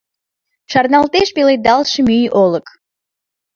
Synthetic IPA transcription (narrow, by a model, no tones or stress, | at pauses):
ʃɑrnɑlt̪eʃpeled̪ɑlʃəmyjʔolə̆k